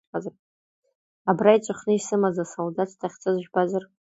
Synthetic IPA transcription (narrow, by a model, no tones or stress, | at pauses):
azar | abrait͡ʃʷʼaχnɨisɨmazasoldatʰtʰaχʲt͡sʼɨzʒᶣbazar